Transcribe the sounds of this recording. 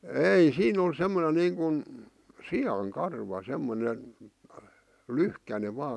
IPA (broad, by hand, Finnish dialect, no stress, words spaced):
eˑi siːn on semːone niːŋkun siɑŋ kɑrʋɑ semːone lyhkæne ʋɑː